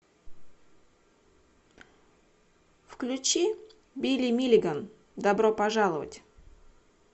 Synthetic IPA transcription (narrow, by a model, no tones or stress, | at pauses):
fklʲʉt͡ɕi | bʲilʲimʲilʲɪɡən | d̪ɐbɾopɐʐalˠəvə̰tʲ